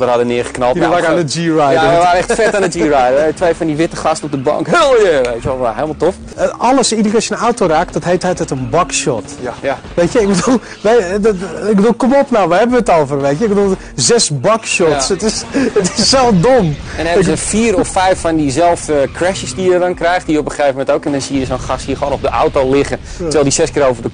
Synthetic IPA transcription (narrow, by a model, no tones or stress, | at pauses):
dərhadənɪəχə̥knɔlˠəʋaːkandəd͡ʒirajəəʋaːɾənɛxtfɛtanəd͡ʒiːrajdətʋejfɔndiʋɪtəχɑstəɔp̚dəbɑ̰ŋkojʋejtjəʋɔlˠəaɦeːlˠmalˠtof | ɑləsidərəkɔsənawtoraːkd̥ɔtɦejthətətənbɔkʃɔt | ʋeːtjəɪɡ̚bədulˠ | ʋɛjɪkɡbədulˠkomopnawʋəɦɛbəʋətolˠfərʋetjəɪkɡbədulˠ | zɛsbɔkʃɔtsətɪsətɪsːɛlˠfdomɛnɛsfiːrɔfːɛjfɔndizɛlˠftəkʰrɛʃəsdijədɔnkrɛjxtdijəopəxejvəmɛntowkɛndɔnsiəjəsonxasthiəxʋoːnɔp̚dəʔawtolɪxə | tˠəʋɛlˠdisɛskɪːɾowvərdə